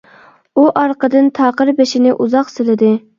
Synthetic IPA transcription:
uʔɑɾqəd̪ɨnt̪ʰɑːqəɾbeʃinɪʔuzɑqsɪlɪd̪ɪ

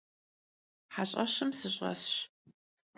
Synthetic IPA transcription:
ħaɕʼɐɕɨmsɨɕʼɐ̰sɕ

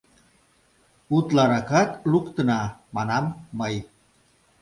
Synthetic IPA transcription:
ut̪laɾakat̪lukt̪ənamanamːəj

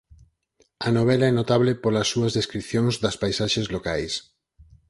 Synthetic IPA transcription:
ɐnoβ̞ɛlaɛnot̪aβlepolɐsːuɐzðeskɾiθjoŋzðɐspajsaʃezlokajs

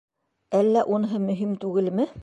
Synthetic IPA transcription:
ælːæʔunɤɦɤmɵ̆ɦimt̪ʉɡɘlmɘ

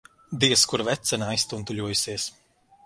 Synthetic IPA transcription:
d̪iɛskuɾvɛt̪sɛnaːist̪unt̪ulʲuɔjusiɛs

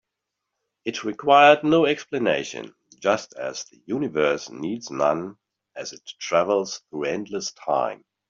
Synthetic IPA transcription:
ɨtʰɹɨkʰw̥aɪə˞dⁿnoʊɛksplɨneɪʃɨ̰̃n | d͡ʒʌstɨ̰z̥ðɨjʉnɨvɜ˞snidznʌ̰̃n | ɨzɨtʰɹ̥ævl̩ˠz̥θɹuɛ̃ndˡləstʰã̰ɪ̃m

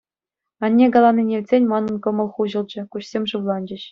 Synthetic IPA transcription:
ɑnʲːeɡɑlˠɑnːinʲeʋʲtʲsʲenʲmɑnɤ̆nkɤ̆mɤ̆lˠχuʑɤ̆lˠd͡ʑɘ̆kuɕsʲemʲʐɯʋlˠɑnd͡ʑɘ̆ɕ

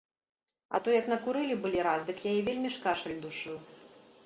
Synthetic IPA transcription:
ɐ̰t̪ɔjɐknɐkuɾɨlʲibɨlʲiɾazd̪ɨkjajɛvʲelʲmʲiʂkaʂɐlʲd̪uʂɨw

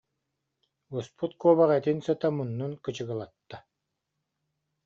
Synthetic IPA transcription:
uspʰut̪̚kɔːβaʁɛt̪insɯt̪amunːunkɯt͡ɕɯɡɯlˠat̪ːa

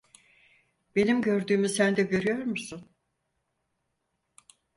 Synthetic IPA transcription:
b̥e̞nimɟø̞ɾd̪yːmysænd̪ɛɟø̞ɾyjo̞ɾmusun

